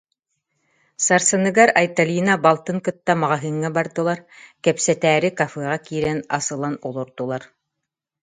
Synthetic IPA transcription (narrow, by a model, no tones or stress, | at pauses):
sɑɾsɤ̆nɤ̆ɡɑɾɐjt̪alʲinabɑlˠt̪ɤŋkɤ̆t̪ːɑmɑʁɑɦɘ̆ŋːæbɑɾd̪ɤ̆lˠɑɾkæpsæt̪æːɾɘkafeʁɑkiɾænɑ̰sɤ̆lˠɑnolˠŏɾt̪ŏlˠɑɾ